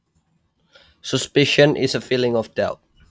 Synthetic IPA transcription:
səspɪʃə̃nʔɪ̰zəfilɪ̃ŋɔfdɛlt̚

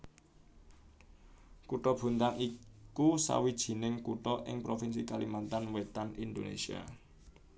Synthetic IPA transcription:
kuʈɔb̥ṳnt̪aŋikusa̰wid̥ʒ̥i̤nɪŋkuʈɔʔɪŋpɾofinsikalimant̪anwet̪anind̪onḛsia̰

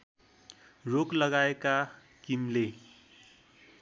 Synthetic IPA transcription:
roklʌɡaeka | kimle

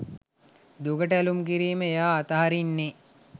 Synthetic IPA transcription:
d̪uɡəʈəælumkiɾiːməjaːt̪əɦaɾinːe

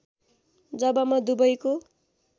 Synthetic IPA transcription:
d͡zʌbʌmʌd̪ubʌjko

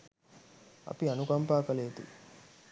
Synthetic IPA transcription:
ɐ̰piɐnuɡɐmpaːkɐleːd̪ṵ

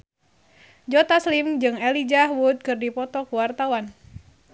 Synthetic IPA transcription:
d͡ʒɔt̪aslimd͡ʒɨŋɛlid͡ʒahɦwud̪̚kɨrdipɔt̪ɔkuwart̪awan

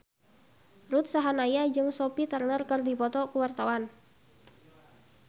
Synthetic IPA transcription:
rut̪̚saɦanajad͡ʒɨŋsɔpit̪ərnərkɨrdipɔt̪ɔkuwart̪awan

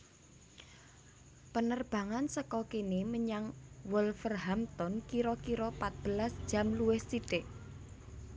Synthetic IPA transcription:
pənərb̥a̤ŋansəkɔkineməɲaŋwʊlfərɦamt̪ɔnkiɾɔkiɾɔpat̪̚b̥ə̤lasd̥ʒ̥ä̤mluwɪhsiɖeʔ

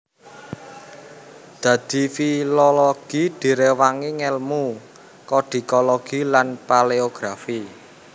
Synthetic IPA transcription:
d̪̥ä̤d̪̥i̤filɔlɔɡ̥id̪̥i̤ɾewaŋiŋɛlmu | kɔɖ̪̥i̤kɔlɔɡ̥ilanpaleoɡ̥ɾafi

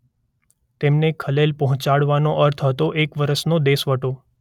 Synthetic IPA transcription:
t̪emnekʰəlelpəɦʊ̃t͡ʃaɽʋanoʔəɾt̪ʰɦət̪oʔekʋəɾəʃnod̪esʋəʈo

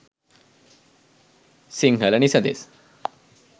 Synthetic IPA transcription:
siŋɡʱəlaɽ̃isə̃nd̪ḛs

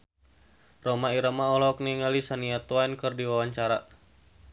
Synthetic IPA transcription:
romaiɾamaɔlɔk̚niŋalisaniat̪wainkɨrdiwawaɲt͡ʃaɾa

